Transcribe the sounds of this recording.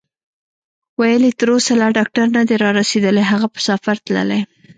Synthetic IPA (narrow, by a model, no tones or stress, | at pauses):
wajəlit̪əɾosalɑɖɑk̚ʈaɾnad̪eɾɑɾased̪əleɦaɣapə̥safaɾt̪lə̰le